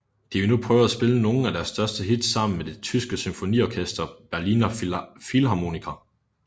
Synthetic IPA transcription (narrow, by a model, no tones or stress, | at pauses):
d̥iʋinupʰʁœːʊæsb̥e̝ləno̝ːn̩æd̥æɐsːd̥ɶɐsd̥əɦid̥sɑ̈m̰n̩med̥e̝t͡sʰysɡ̥əsymfo̝nḭɒkʰesd̥ɐb̥æɐlinæfilɦɑ̈mo̝nikʰɐ